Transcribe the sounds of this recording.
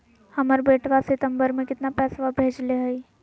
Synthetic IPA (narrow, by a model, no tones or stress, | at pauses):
həməɾbeːʈʰʋasɪt̪ə̃mbəɾmẽkɪt̪napɛːsʋabʱeːd͡ʒleɦəi